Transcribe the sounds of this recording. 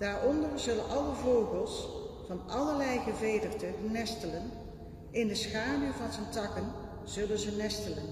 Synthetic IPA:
d̥aːɹɔndəɹz̥ɵlənʔɑləvowχəlˠsfɑnɑləɹlɛjχəvejdərdənɛstələn | ɪndəsχaːnəvɑnzəntɑkən | z̥ɵlənzənɛstələn

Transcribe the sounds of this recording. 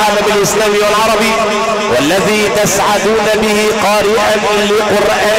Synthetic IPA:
aːlamalʔɪslaːmiwalʕɑɾˤɑbɪ | walːaðiːt̪asʕad̪uːnabɪhɪqɑːɾɪʔan | lɪqʊɾʔaː

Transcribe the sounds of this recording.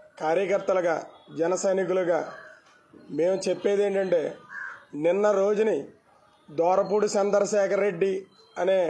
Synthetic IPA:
kaːɾjɐkɐɾt̪ɐlɐɡa̰ːd͡ʒɛnɐsɐjnik̬uluɡaː | me̞ːmut͡ʃepːeːd̪e̞ːɳʈɐɳʈe̞ːninːɐɾo̞ːd͡ʒuni | d̪ɔːɾɐpuːɽusɐnd̪ɐɾɐʃɛːkʰɐɾːe̞ɖːi | ɐneː

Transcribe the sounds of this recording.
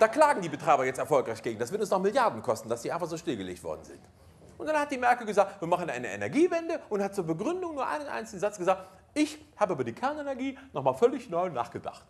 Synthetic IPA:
d̥aːkl̥aːɡŋ̩diːbətʁ̥aɪbɐjɛt͡stɛɐfɔlkʁaɪçɡ̥eːɡŋ̩dasv̥ɪɐtʊnsnɔχmɪljaɐdn̩kʰɔstn̩d̥asz̥iːaɪnfaχz̥oːʃtɪlɡəlḛːçtv̥ɔ̰ɐdn̩zɪ̰nt | ʔʊntd̥anhat̚d̥iːmɛɐkl̩ɡəzaːktviːɐmaχn̩ʔa̰ɪnəḛnɛɐɡiːvɛndəʔʊnthat̚t͡suːɐbəɡʁʏndʊŋnuːɐʔa̰ɪnənʔa̰ɪnt͡sɪlɡn̩zat͡sɡ̥əzaːk̚t | ʔɪçhaːbəʔyːbɐdiːkʰɛɐnenɛɐɡiːnɔχmaːlfœlɪçnɔʏna̰ːχɡ̥əda̰χt

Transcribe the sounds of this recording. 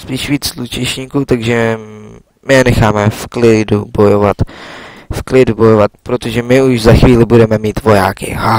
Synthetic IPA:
spiːʃviːt͡slut͡ʃɛʃɲiːkut̪aɡʒɛ | mɪjɛnɛxaːmɛfklɪdubo̞jova̰t̪fklɪdubo̞jovat̪pɾot̪oʒɛmɪuʒzaxviːlɪbudɛmɛmiːt̪vo̞ja̰ːkɪ̰ɦa

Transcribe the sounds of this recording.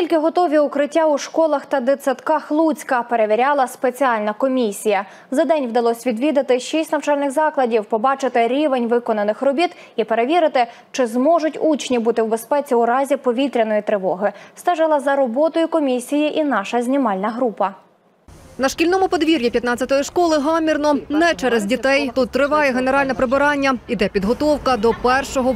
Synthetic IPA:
kʲilʲkɪɦɔt̪ɔʋʲiʊkɾɪtʲːauʃkɔlˠɐxt̪ɐd̪et͡sʲɐt̪kɑxlˠut͡sʲkɐpe̞ɾe̞ʋʲiɾʲɑlˠɐspet͡sʲiɑlʲnɐkɔmʲisʲijɐ | zɐd̪ɛnʲwd̪ɐlˠɔsʲʋʲid̪ʋʲid̪ɐt̪ɪʃisʲtʲnɐwt͡ʃɑlʲnɪxzɑklˠɐdʲiwpɔbɑt͡ʃɪt̪ɪɾʲiʋenʲʋɪkɔnɐnɪxɾɔbʲit̪ | ipeɾeʋʲiɾɪt̪ɪ | t͡ʃɪzmɔʒʊtʲut͡ʃnʲibut̪ɪwbe̞spɛt͡sʲiʊɾɑzʲipɔʋʲit̪ɾʲɐnɔjit̪ɾɪʋɔɦɪst̪ɛʒɪlˠɐzɐɾɔbɔt̪ɔjʊkɔmʲisʲijiʔinɑʃɐzʲnʲimɑlʲnɐɦɾupɐ | nɐʃkʲilʲnɔmʊpɔd̪ʋʲiɾʲjipʲjɐt̪nɑt͡sʲːɐt̪ɔjiʃkɔlˠɪɦɑmʲirnɔnɛt͡ʃɛɾɛzʲdʲit̪ɛjt̪ut̪ːɾɪʋɑjɛɦeneɾɑlʲnɛpɾebɪɾɑnʲːɐid̪ɛpʲid̪ɦɔt̪ɔwkɐd̪ɔpɛrʃɔɦɔ

